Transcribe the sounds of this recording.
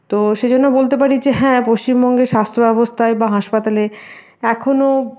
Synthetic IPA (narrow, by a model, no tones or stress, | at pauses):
t̪oʃed͡ʑonːobolt̪ep̬aɾid͡ʑeɦɛ̃post͡ɕimbɔŋɡeɾʃast̪ʰɾobɛbost̪ʰaebaɦaʃpat̪ale | ɛkʰono